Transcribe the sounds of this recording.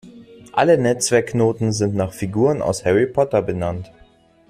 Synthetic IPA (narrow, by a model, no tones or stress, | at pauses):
ʔalənɛt͡sv̥ɛɐknoːtn̩zɪntnaːχfiɡuːʁəna̰ʊshɛʁipʰɔtɐbənant